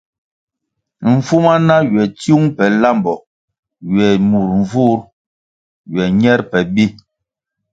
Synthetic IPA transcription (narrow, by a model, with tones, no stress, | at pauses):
ɱ̩˨fu˦ma˦na˦ɥɛ˨tju˦ŋpɛ˨la˦mbɔ˨ | ɥwɛ˨mu˨ɾɱ̩˨vu˦ɾ | ɥwɛ˨ɲɛ˦ɾpɛ˨bi˦